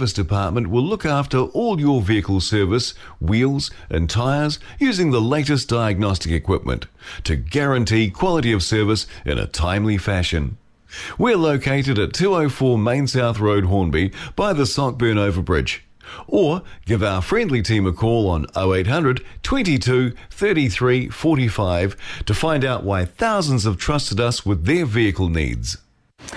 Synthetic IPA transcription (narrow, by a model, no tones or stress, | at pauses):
vɨsd̥ɨpʰɑɹt̚mə̃nʔwɪlʊkæftə˞ʔɔlˠjə˞viɨkl̩ˠsɜ˞vɨs | wilˠzʔɨ̰̃ntʰaɪə˞z | jʉzɪ̃ŋðəleɪɾɨsd̥aɪɨɡ̚nɑstɨkɨkʰw̥ɪp̚mɨ̰̃nttʰɨɡæɹɨ̃ntʰikʰw̥ɑlˠəɾiʌv̥sɜ˞vɨsʔɨ̰̃nʔɨ̰tʰãɪ̃mlifæʃɨ̃n | wiəloʊkʰeɪɾɨɾɨtʰʉoʊfɔɹmẽɪ̃nsaʊθɹoʊd̚ɦɔ̃ɹnbib̥aɪðɨsɑk̚b̥ɜ̃˞noʊvə˞bɹɪ̰d͡ʒ | ə˞ɡ̥ɪvaʊə˞fɹɛ̃ndˡlitʰĩməkʰɔlˠə̃noʊeɪt̚ɦʌ̃ndɹɨdtʰw̥ɛ̃ntitʰʉθɜ˞ɾiθɹifɔɹɾifaɪv̥tʰɨfãɪ̃ndaʊʔwʔaɪθaʊzn̩zəv̥tʰɹ̥ʌstəɾʌswɨðə˞viɨkl̩ˠnḭdz̥